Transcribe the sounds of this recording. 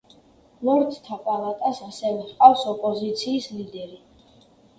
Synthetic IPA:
lɔɾd̪t̪ʰapʼalˠat̪ʼasasɛvɛχqʼafsɔpʼɔzit̪sʰiːslid̪ɛɾi

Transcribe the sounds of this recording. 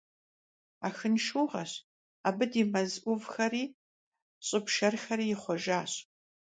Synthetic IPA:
aːxɨnʃuːʁɐɕ | aːbɨdiːmɐzʔʷʊvxɐriː | ɕʼɪpʃɐrxɐɾiːjɪχʷɔʒaːɕ

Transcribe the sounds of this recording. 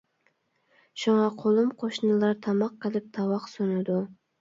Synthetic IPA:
ʃuŋɑqʰolˠumqʰoʃnɨlˠɑɾt̪ʰɑmɑqːəlˠɪp̚t̪ʰɑwɑqsunɨd̪u

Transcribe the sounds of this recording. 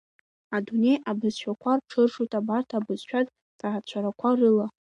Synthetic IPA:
adune̞jabɨzʃᶣakʷʰarʈ͡ʂʰɨrʂutʼabartʰabɨz̥ʃᶣatʼ | d̥ʰaat͡ɕʷʰaɾakʷʰarɨla

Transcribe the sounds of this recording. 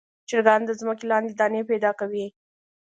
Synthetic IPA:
t͡ʃɪɾɡɑnd̪əzməkelɑnd̪ed̪ɑnepɛd̪ɑkawi

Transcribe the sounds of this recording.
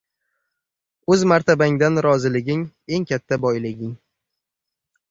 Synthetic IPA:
ɵzmaɾt̪ʰabaŋd̪anɾɒzɪlɪɡʲɪŋ | e̞ŋkʲʰat̪ʰːabɒjlɪɡʲɪŋ

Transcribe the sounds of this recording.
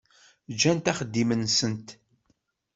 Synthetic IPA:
d͡ʒænt̪æχəd̪ːimənsənt̪

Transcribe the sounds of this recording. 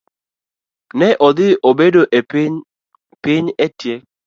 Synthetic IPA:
nɛʔɔdɪʔobedoʔ | pɪɲetje

